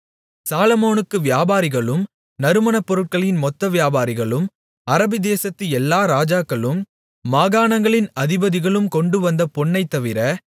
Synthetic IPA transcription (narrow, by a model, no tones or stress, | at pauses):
saːlɐmoːnɯkːɯʋɪjaːbaːɾɪɣɐɭɯm | nɐɾɯmɐnɐpːɔɾɯʈ̚kɐɭɪnmɔt̪ːɐʋɪjaːbaːɾɪɣɐɭɯm | ɐɾɐbɪd̪eːsɐt̪ːɯɛlːaːɾaːd͡ʒaːkːɐɭɯmː | aːɣaːnɐŋɡɐɭɪnɐðɪbɐðɪɣɐɭɯmkɔɳɖɯʋɐnd̪ɐpɔɳːɐɪt̪ːɐʋɪɾɐ